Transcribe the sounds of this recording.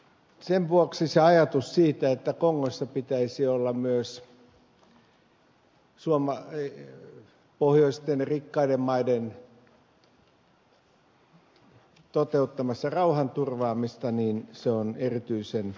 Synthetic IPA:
senʋuoksiseɑjɑt̪ussiːt̪æet̪ːækoŋːosːɑpit̪æisiolːɑmyøs | suomɑ | pohjoist̪enrikːɑidemmɑiden | t̪ot̪eut̪ːɑmɑsːɑrɑuhɑnt̪urʋɑːmist̪ɑniːnseonerit̪yisen

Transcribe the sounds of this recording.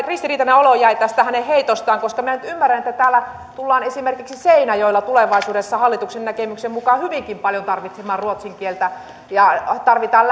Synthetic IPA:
rist̪iriːt̪ɑneolojæit̪æst̪æhæneheit̪ost̪ɑːŋkoskɑminænyt̪ymːærːænet̪ːæt̪æːlːæ | t̪ulːɑːnesimerkiksiseinɑjoilːɑt̪uleʋɑisuːdesːɑhɑlːit̪uksennækemyksemmukɑhyʋiŋkimpɑljont̪ɑrʋit̪semɑːrruot̪siŋkielt̪æ | jɑt̪ɑrʋit̪ɑːl

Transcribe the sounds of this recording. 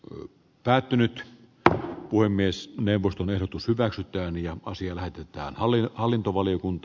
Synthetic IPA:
pæːt̪ːynyt̪ | puhemːiesneuʋːˑost̪onehɾot̪ushyʋæksyt̪ˑæːnjɑɑsiɑlæhet̪et̪ˑæ̰ːnhɑlhɑlːint̪oʋɑlijokunt̪ː

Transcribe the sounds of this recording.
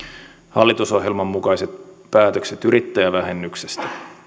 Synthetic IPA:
hɑ̰lːit̪uso̞ɦje̞lmɑmːukɑjse̞t̪̚pæːt̪ø̞kset̪yɾit̪ːæjæʋæɦe̞nːyksest̪æ̥

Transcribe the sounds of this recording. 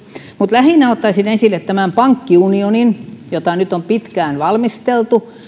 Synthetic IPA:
mut̪læhinæot̪ːɑisinensilːet̪tæmæmpɑŋkːiunioninjot̪ɑnyt̪ompit̪kæːnʋɑlmist̪elt̪u

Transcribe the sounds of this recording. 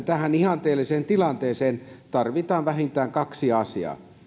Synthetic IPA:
t̪æhænihɑnt̪eːliseːnt̪ilɑnt̪eːseːnt̪ɑrʋit̪ɑːnʋæhint̪æːŋkɑksiɑsiɑ̰ː

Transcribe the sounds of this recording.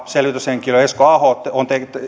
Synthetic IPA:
selʋit̪yseŋkiloeskoɑhot̪ːont̪ekt̪

